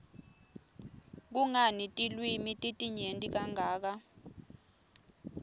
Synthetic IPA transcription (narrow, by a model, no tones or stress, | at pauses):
k̬uŋanitʼilwimitʼitʼiɲentʼik̬aŋaːk̬a